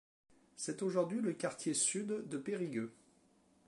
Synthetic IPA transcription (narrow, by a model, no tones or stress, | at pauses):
sɛt̪oʒuʁd̪ɥiləkaʁt̪jesyd̪ːəpeʁiɡʲø